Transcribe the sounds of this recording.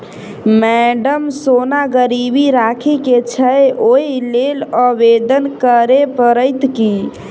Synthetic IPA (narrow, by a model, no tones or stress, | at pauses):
mɛɖəmsonaɡəɾibiɾakʰiket͡ʃʰəjojileləbed̪ənkəɾepəɾəjt̪ki